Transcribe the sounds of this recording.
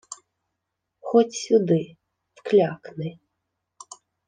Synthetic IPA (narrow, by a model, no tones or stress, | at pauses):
xɔtʲsʲʊd̪ɪ | wklʲaknɪ